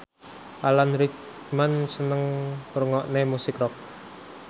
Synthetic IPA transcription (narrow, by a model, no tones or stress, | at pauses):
ʔalanɾik | mansənəŋruŋɔʔnemusikrɔk̚